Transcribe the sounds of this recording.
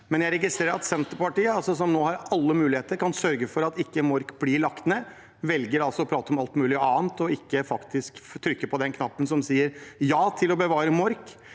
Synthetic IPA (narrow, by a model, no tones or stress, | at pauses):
mɛnjæɪɾɛɡɪst̪ɾeːɾəɾɑt̪sɛnt̪əɾpɑʈiːəɑlsɔsɔmnoːhɑɾɑlːəmʉːlɪeːt̪əɾkʰɑnsœɾɡəfɔɾɑt̪ɪkːəmɔɾkblɪɭɑkt̪ənə | ʋɛlɡəɾɑlsɔɔpʰɾɑːt̪əɔmɑlt̪mʉːlɪɑːnt̪ɔɪkːəfɑkt̪ʰɪskt̪ʰːɾʏkːəpʰɔd̪ɛnkʰnɑpːənsɔmsiːəɾjɑːt̪ʰɪlɔbəʋɑːɾəmɔɾk